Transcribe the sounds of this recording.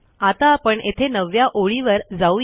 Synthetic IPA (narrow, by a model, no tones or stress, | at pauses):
at̪aːpəɳʔet̪ʰenəʋjaʔoɭiʋəɾd͡zau